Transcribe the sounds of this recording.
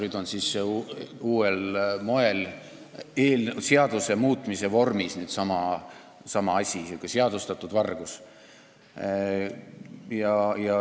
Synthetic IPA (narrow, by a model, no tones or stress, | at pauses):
nyːd̪̥o̞nsisːeuːelmo̞e̞l | eːlseɑd̪̥use̞muːt̪ːˑmise̞vo̞rmisnyːd̪sɑmɑ | sɑmɑɑsʲisukːˑeseɑd̪ust̪ɑt̪ːˑud̪vɑrɡ̥us | jɑjɑ